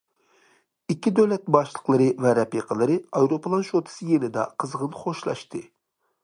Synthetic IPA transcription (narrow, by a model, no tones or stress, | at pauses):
ikʲːid̪øwlɛt̪̚bɑʃlˠəqlˠɨɾɨvɛɾɛpiqʰəlˠɨɾɨɑjɾopʰəlˠɑnʃot̪ʰɨ̥sɨjenɪd̪ɛ̰qʰəzʁənχoʃlˠɑ̰ʃt̪ʰɨ